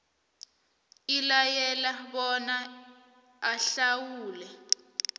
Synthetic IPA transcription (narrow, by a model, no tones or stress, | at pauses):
ilajɛlaɓɔna | aɬawuːlɛ